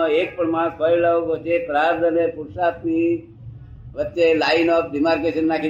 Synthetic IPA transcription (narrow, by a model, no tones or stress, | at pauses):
oek̚pəɳmãsɔjləʋkot͡ʃʰepɾaɾd̪ənepuɾsapni | ʋət͡ʃːelaɪnɔpɾɪmaɾkeʃənːakʰi